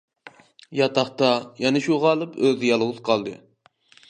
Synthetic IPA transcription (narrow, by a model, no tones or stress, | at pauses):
jɑt̪ʰɑχt̪ɑjɛnɪʃuʁɑlˠɨpøzɪjɑlˠʁʊzqʰɑlˠd̪ɨ